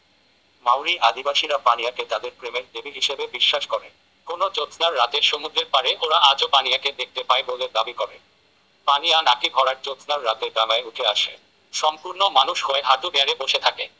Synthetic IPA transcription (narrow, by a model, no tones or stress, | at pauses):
mawɾiʔad̪ʱibaʃiɾapanijaket̪ad̪eɾpɾemeɾd̪ebiɦiʃebebiʃːaʃkɔɾe | konot͡ɕot̪naɾːat̪eɾʃomud̪ɾeɾpaɾeʔoɾaʔad͡ʑopanijaked̪ek̚t̪epaeboled̪abikɔɾe | panijanakiɡʱɔɾaɾt͡ɕot̪naɾːat̪eɾbɛmaeuʈʰeaʃḛ | ʃɔmpuɾnomanuʃɦoeɦad̪ubeaɾeboʃet̪ʰake